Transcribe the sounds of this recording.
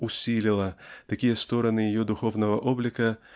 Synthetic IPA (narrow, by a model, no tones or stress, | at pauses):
ʊsʲilʲɪlˠɐt̪ɐkʲijɛst̪oɾɐnɨjɪjɔd̪ʊxovnɐvɐʔoblʲɪkɐ